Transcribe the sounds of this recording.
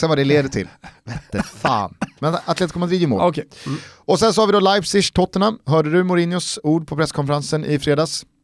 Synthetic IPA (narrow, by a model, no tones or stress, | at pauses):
sɛnvad̪ɛleːd̪ət̪ʰɪ̰lɛt̪ːəfa̰ːnmɛnat̪leːt̪kʰɔmːad̪ɾiːvjɪmo̰l | ɔsɛnsɔhavɪd̪ɔlajpsɪʂt̪ʰɔt̪ːəɳaɦœːɖəd̪ɵmʊɾɪnjʊsuːɖpʰɔpʰɾɛskʰɔnfəɾansənʔɪ̰fɾeːd̪ɑːs